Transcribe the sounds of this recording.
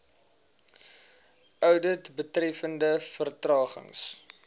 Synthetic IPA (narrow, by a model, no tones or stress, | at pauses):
œwdətbətrɛfəndəfərtrɑːχə̰ŋs